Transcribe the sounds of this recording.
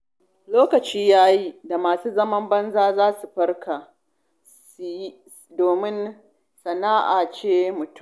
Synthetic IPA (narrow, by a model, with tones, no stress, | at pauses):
loː˦kɐ˨t͡ʃiː˦jaː˦ji˦da˨maː˨suː˦zɐ˦mɐ˦mbɐ˦nzaː˦zaː˦su˨ɸɐ˦rka˨ | sji˦ | doː˨mɪ˦n | sɐ˨naː˦ʔa̰˨t͡ʃeː˦mʊ˨tʊ˦˨